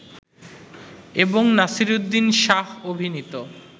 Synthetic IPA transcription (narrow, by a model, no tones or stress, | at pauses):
eboŋnasiɾud̪ːinʃaɦobʱinit̪o